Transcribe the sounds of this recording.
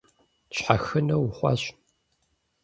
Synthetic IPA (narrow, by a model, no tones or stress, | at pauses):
ɕħaxɨnɐwʊχʷɑ̰ɕ